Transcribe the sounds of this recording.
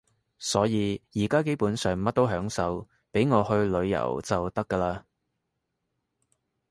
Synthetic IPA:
sɔː˨˥jiː˨˧jiː˨˩kaː˥k̬e˥jpuː˨˥nsœː˨ŋmɐ˥t̚t̪o˥wɦœː˨˥ŋsɐ˨˧w | pe˨˥jŋɔː˨˧hɵ˧ɥlɵ˨˧ɥjɐ̰˨˩wt͡sɐ˨wt̪ɐ˥kːəː˧laː˧

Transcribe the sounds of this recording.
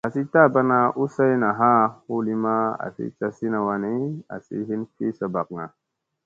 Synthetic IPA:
a˨si˦ta˦˨ba˦na˨ʔu˦sa˦i˦na˨ɦa˦u˦li˦ma˦a̰˨sḭ˦t͡ʃa˦si˦na˨wa˨ni˦a̰˨sḭ˦ɦi˦nfi˦sa˨ba˨k̚ŋa˨

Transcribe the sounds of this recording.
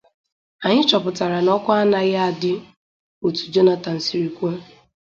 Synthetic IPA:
a˨ɲɪ˦t͡ʃɔ˨pʊ˨ta˨ɾa˨nɔ˦kʷʊ˦a˦na˨ɣa˦a˨dɪ˦ | u˨tu̥˨d͡ʒo˦na˦ta˨n̩˨si˨ɾi˨kʷe˦

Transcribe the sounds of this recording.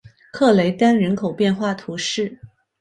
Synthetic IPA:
kʰɤ˥˩le˧˥ɪt̪a˥nɻə˧˥nkʰo˨˩ʊpjɛ˥˧nxwa˥˩t̪ʰu˧˥ʂɻ̩˥˩

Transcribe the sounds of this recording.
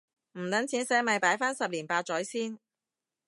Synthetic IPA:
m̩˨˩lɐ˨˥nt͡sʰiː˨˥nsɛː˨˥mɐ˨˧jpaː˨˥jfaː˥nsɐ˨p̚liː˨˩npaː˧t̚t͡sɔː˨˥jsiː˥n

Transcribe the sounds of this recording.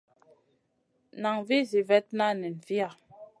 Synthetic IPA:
na˨ŋvi˦zi˨vɛ˦t̚na˦˨nɛ˨n̩˨vi˦a˨

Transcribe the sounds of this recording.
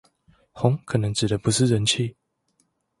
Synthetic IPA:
hɔ˨˦ŋkʰɤ˨˩nə˧˦ŋʈ͡ʂɻ̩˨˩d̪ə˧˦pu˧˦ʂɻ̩˥˨ɻə˧˦nt͡ɕʰi˥˨

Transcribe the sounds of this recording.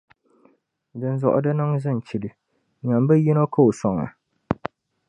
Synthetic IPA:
dɨ˨n˦zɔ̰˨ʔʊ̰˨dɨ˦nɨ˦ŋzɨ˦˨n˨t͡ʃi˨dɨ˨ | ɲa˨m˦bɨ˦ji˦no˦ka˦o˨sɔ˨ŋa̰˨

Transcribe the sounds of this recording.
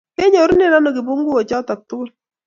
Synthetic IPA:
ke˦ɲo˨˦ɾne˦˨na˦no˨ki˨bu˦ŋɡu˦o˨t͡ʃɔ˦tɔ˨k̚tʊ˦kʊ˦l

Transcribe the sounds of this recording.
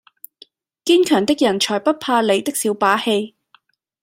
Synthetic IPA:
kiː˥nkʰœː˨˩ŋt̪ɪ˥k̚jɐ˨˩nt͡ʃʰɔː˨˩jpɐ˥t̚pʰaː˧le˨˧jt̪ɪ˥k̚siː˨˥wpaː˨˥he˧j

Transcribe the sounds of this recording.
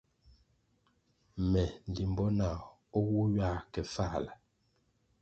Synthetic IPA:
mɛ˨n˨li˨mbɔ˦na˨ | ɔ˦wu˦ɥa˦˨kɛ˨fa˦˨la˨

